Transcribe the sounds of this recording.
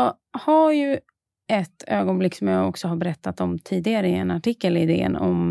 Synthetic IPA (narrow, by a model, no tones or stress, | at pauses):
ɑ | haɾjɵ | ʔɛt̪ːøːɡɔnblɪkːsɔmjɑɔksɔɦaɾbɛɾɛt̪ːat̪ɔmt̪ʰiːd̪ɪɡaɾəɪɛnaʈʰɪkːəlɪd̪ḛːə̰nɔm